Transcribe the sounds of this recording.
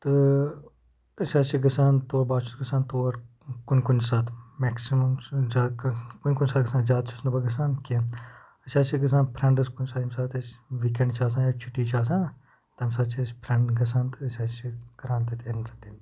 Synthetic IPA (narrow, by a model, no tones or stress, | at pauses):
t̪ɨ | ɐsʲaːt͡ʃʰiɡɐsaːnt̪oːɐbaːt͡ʃʰut̪ɡɐsaːnt̪oːɐɾ | kunʲkunsaːt̪meːksimɐmzaːkunʲkunʲsaːt̪ɡɐsaːnzʲaːd̪̚t͡ʃʰusnubɐɡɐsaːnkin | ɐsʲaːt͡ʃʰiɡɐs̬aːnpʰɾɐɳɖɐskunʲsaːt̪ɐmʲsaːt̪ɐsʋikẽɳɖt͡ʃʰaːs̬ãːjaːt͡ʃʰuʈːiːt͡ʃʰaːs̬ãː | t̪ɐmsaːd̪t͡ʃʰespʰɾɐɳɖɡɐs̬aːnt̪ɨɐsʲaːt͡ʃʰiɡɐɾaːnt̪ɐt̪ʲenɾɐdin